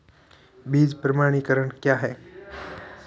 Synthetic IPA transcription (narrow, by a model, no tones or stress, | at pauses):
biːd͡ʒpɾəmaːɽ̃ikəɾəɳkjaːɦɛː